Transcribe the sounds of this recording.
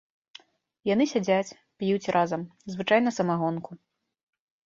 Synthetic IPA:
janɨsʲad͡zʲat͡sʲ | pjut͡sʲrʔazɐmzvɨt͡ʂajn̪ɐsɐmaɣɔnku

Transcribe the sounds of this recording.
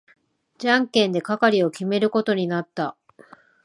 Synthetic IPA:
d͡ʑãŋkẽ̞nd̪e̞kakaɾʲio̞kʲime̞ɾɯ̟ko̞t̪o̞ɲ̟inat̪ːa

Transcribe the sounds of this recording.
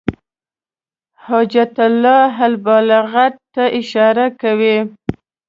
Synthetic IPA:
hɑd͡ʒat̪alːɑɦalbɑlaɣatt̪ːaʔɪʃɑɾakawi

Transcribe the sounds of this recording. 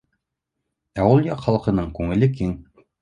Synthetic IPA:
æwulˠjɒqχɑlˠɤ̆qɤ̆nɤɴkʉŋɘ̆lɘkiŋ

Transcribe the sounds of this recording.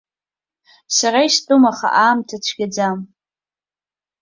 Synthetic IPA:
saɾaistʼumaχa̰ʔaːmtʰat͡ɕʷʰɡʲad͡zam

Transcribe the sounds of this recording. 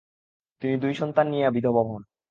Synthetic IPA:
t̪inid̪ujʃɔnt̪anːieabid̪ʱobɔɦon

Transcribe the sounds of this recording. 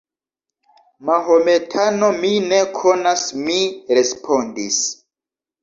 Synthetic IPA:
maɦome̞tʰanomine̞kʰo̞nasmiɾe̞spʰo̞ndis

